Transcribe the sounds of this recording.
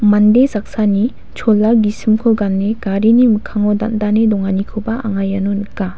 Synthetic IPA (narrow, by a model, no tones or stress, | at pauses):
mandezak̚sani | t͡ʃʰɔlːawɡisɯmkʰɔɡanːeɡ̥aɾinimɯkʰaŋɔda̰ndanedɔŋanikʰɯbaa̰ŋajːanɔnɯkːa